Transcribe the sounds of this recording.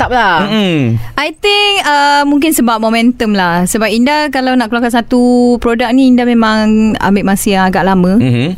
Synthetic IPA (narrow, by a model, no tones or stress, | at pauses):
t̪ap̚la | ʔajt̪ɪŋəmuŋk̬ɪnsəbap̚momɛ̃nt̪əmlahsəbap̚indakalawnaʔkluakasat̪upɾodak̚nĩːndamẽmãŋa̰mbeʔmasiaŋaɡaʔlamə̃